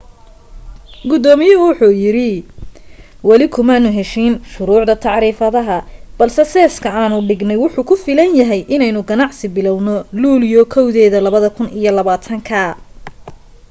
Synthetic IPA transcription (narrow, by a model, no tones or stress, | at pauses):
ɡʊd̪ɔːmɪjɐwʊħuːjɪɾɪ | wɑlɪkʰʊmanʊɦɛʃinʃʊɾuːʕd̪ɐt̪ʰɑʕɾiːfɐðɐɦɐb̥ɐlsɛsɛːskʰɐaːnʊɖɪɡnɛjwʊħuːkʰʊfɪːlɐnjɐɦɛjʔɪnɛjnʊɡɐnɑʕsɪbɪlɔwnɔluːljɔkʰɔwðɛːðɐlɐβɐðɐkʰʊnijɔlɐβaːt̪ʰɐŋkʰɐ